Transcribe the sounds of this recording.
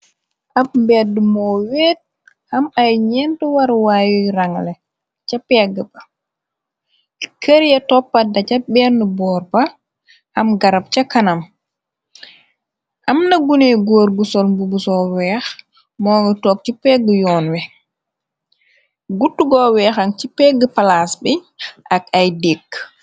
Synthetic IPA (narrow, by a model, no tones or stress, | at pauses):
ʔapmbɛdːumɔːwɛːt̚ | hɐmajɲɛntuwaɾwaːjuɾaŋlɛ | t͡ʃapɛːɡəbɐ | kəɾjɛtɔpːadɐcɐbɛːrnəbɔːɾba | hɐmɡaɾɐp̚t͡ʃakanam | ʔɐmnɐɡuneɡoːɾɡusɔlmbubusɔwɛːx | mɔŋɔtɔːk̚t͡ʃipɛɡəjɔːnwɛ | ɡutːuɡɔwɛːxaŋt͡ʃipɛːɡəpalaːsbɛʔakajdekː